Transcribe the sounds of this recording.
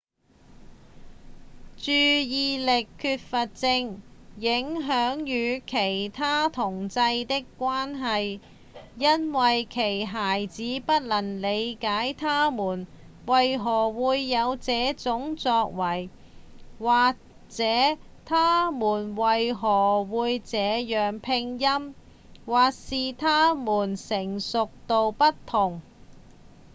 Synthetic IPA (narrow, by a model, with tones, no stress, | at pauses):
t͡ʃyː˨˧jiː˨˧lɪ˨kʰːyː˧t̚fɐ˨t̚t͡sɪ˧ŋjɪ˨˥ŋɦœː˨˥ŋjyː˨˧kʰe˨˩jt̪ʰaː˥t̪ʰʊ˨˩ŋt͡sɐ˧jt̪ɪ˥kːʷaː˥nɦɐ˨j | jɐ˥nwɐ˨jkʰe˨˩jɦaː˨˩jt͡siː˨˥pɐ˥t̚lɐ˨˩nle˨˧jkaː˨˥jt̪ʰaː˥muː˨˩n | wɐ˨jɦɔː˨˩wuː˨˧jːɐ˨˧wt͡sɛː˨˥t͡sʊ˨˥ŋt͡sɔː˧k̚wɐ˨˩j | waː˨k̚ | t͡sɛː˨˥t̪ʰaː˥muː˨˩nwɐ˨jɦɔː˨˩wuː˨˧jt͡sɛː˨˧jœː˨ŋpʰɪ˧ŋjɐ˥m | waː˨k̚siː˨t̪ʰaː˥muː˨˩nsɪ˨˩ŋsʊ˨k̚t̪o˨wpɐ˥tt̪ʰʊ˨˩ŋ